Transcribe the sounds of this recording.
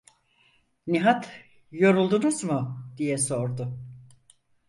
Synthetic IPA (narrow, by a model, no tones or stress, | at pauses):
niɦat̪ | jo̞ɾulˠd̪unuzmʊd̪ijɛso̞ɾd̪ʊ